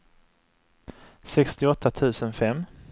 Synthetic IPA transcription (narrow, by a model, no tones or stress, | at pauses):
sɛkst̪ɪɔt̪ʰːat̪ʰʉ̟ːsənfɛmː